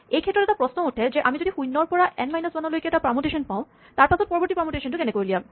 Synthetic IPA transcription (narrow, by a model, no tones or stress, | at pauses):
ejkʰɛtːɾɔɾɛtapɾɔsnooʈʰed͡ʑeʔamid͡ʑodixujnːɔɹpɔɹaʔɛnmajnɔsbanolojkeɛtapɹamoʈeʃɔnpaʊ̃ | t̪aɹpasʰɔt̚pɔɾboɾʈipɾamoʈeʃɔnʈukenekoɾlijam